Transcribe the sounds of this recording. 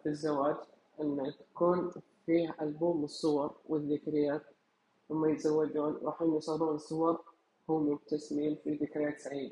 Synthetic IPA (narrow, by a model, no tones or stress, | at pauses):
bɪzːawaːd͡ʒ | ʔɪnːat̪ḁkuːn | fiːhʔalbuːmɨsˤːʊwɑɾˤwɪðːɪkɾɪjːaːt̪̚ | wɪmːajɪt̪zawːad͡ʒ̪uːnɾˤɑ̰ːħjiːnːɪsˤɑɣluːnɨsˤːʊwɑɾˤ | hʊːmʊb̚t̪ːasmiːmfiðɪkɾɪjaːt̪saʕiːd̪a